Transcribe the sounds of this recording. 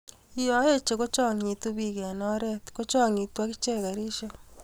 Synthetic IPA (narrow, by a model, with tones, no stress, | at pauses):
ijo˨˦je˦t͡ʃe˨ko˦t͡ʃɔ˦ŋi˨tu˦βiɣa˨nɔ˦ɾetko˦t͡ʃɔ˦ŋi˨twa˦ki˦t͡ʃe˦ɣa˨ɾiʃo